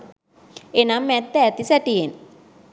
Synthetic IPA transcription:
enamːɛt̪ːɛːt̪isɛʈijen

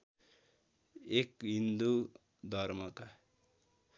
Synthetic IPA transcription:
ekɦind̪u | d̪ʱʌrmʌka

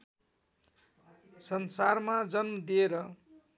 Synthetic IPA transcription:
sʌnsarmad͡zʌnmʌd̪ieɾʌ

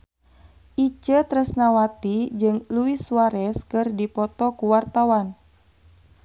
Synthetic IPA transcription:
ʔit͡ʃət̪ɾəsnawat̪id͡ʒɨŋluiswaɾɛskɨrdipɔt̪ɔkuwart̪awan

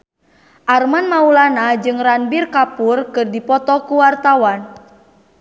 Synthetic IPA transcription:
ʔarmanmaulanad͡ʒɨŋranbirkapurkɨrdipɔt̪ɔkuwart̪awan

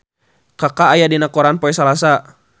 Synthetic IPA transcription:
kakaːjadinakɔɾanpɔɛsalasa

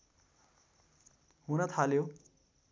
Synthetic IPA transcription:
ɦunʌt̪ʰaljo

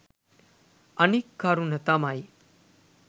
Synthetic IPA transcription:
ənikːaɾuːnɦət̪amai

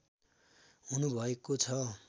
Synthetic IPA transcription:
ɦunubʱʌekot͡sʰʌ

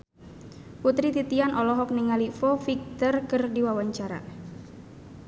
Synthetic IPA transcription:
put̪ɾit̪it̪ianʔɔlɔɦɔk̚niŋalifɔfik̚t̪ərkɨrdiwawaɲt͡ʃaɾa̰

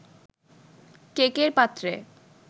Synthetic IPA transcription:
kekeɾpat̪ːɾe

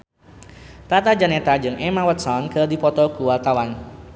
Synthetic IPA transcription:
t̪at̪ad͡ʒanɛt̪ad͡ʒɨŋɛmawət̪̚sɔnkərdipɔt̪ɔkuwalt̪awan

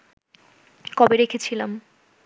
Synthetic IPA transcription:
kɔbeɾekʰet͡ɕʰilam

